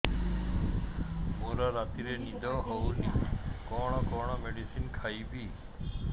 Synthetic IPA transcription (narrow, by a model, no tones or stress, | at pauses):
moɾɔɾat̪iɾenid̪ʱɔɦɔwnikɔɽ̃ɔkɔɽ̃ɔmeɖisinkʰajbi